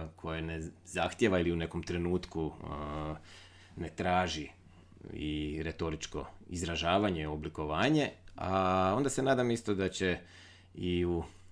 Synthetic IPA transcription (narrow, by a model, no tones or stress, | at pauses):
kʰo̞jenezaxt̪jeʋailiune̞ko̞mt̪ɾe̞nuːt̪ku | ne̞t̪ɾaːʒi | ḭɾe̞t̪o̞ɾit͡ʃko̞̰izɾaʒaːʋaɲe̞obliko̞ʋaːɲe̞a̰o̞nd̪ase̞naːd̪amist̪o̞d̪at͡ɕe̞ | iu